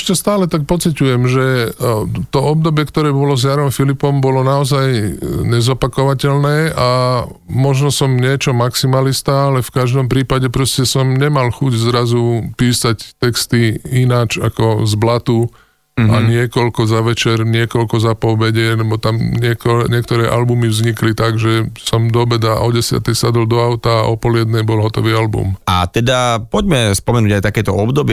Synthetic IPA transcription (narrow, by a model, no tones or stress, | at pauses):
ʃcɛst̪aːlɛt̪ak̚pɔt͡sicujɛmʒɛ | t̪ɔɔb̚d̪ɔbɪɛkt̪ɔɾɛːbɔlɔzjaɾɔmfilipɔmbɔlɔnaɔzajɲɛzɔpakɔʋacɛlnɛːa | mɔʒnɔsɔmɲɪɛt͡ʃɔmaksimalist̪aːalɛfkaʒd̪ɔmpɾiːpaɟɛpɾɔscɛsɔmɲɛmalxuɟzɾazupiːsact̪ɛkst̪iinaːt͡ʃa̰kɔzblat̪u | aɲɪɛkɔlkɔzaʋɛt͡ʃɛɾɲɪɛkɔlkɔzapɔbɛɟɛlɛbɔt̪amɲɪɛkɔɲɪɛkt̪ɔɾɛːʔalbumivzɲiklit̪aɡʒɛsɔmd̪ɔbɛd̪aʔɔɟɛsɪa̰t̪ɛjsad̪ɔld̪ɔaʊt̪aʔɔpɔljɛd̪nɛjbɔlɦɔt̪ɔʋiːalbṵma̰t̪ɛd̪apɔɟmɛspɔmɛnuːɟajt̪akɛːt̪ɔɔbd̪ɔbɪ